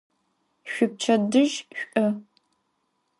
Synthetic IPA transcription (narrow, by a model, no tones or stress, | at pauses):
ɕʷʊp̚t͡ʃʰɐdɨʒɕʷʼɐ